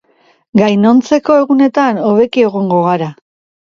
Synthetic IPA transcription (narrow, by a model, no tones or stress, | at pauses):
ɡajno̞nt͡se̞ko̞e̞ɣune̞t̪ano̞βe̞kie̞ɣ̞o̞ŋɡo̞ɣ̞aɾa